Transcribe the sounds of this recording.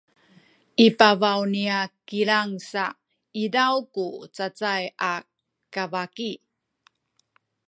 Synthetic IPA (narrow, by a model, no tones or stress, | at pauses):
ʔipavawniakiɭaŋsa | idawkut͡sat͡saja | kavaki